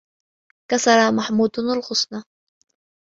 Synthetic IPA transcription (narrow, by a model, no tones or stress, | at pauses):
kasɑɾˤɑmaħmuːd̪nalxʊsnɑ